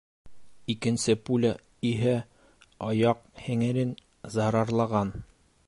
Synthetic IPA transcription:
ikɘ̆nsɘpulʲa | iɦæ | ɒjɑq̚hɘ̆ŋɘ̆ɾɘn | zɑɾɑɾlˠɑʁɑn

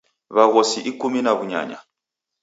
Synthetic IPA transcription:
βaɣɔsiʔikuminaβuɲa̰ɲa̰

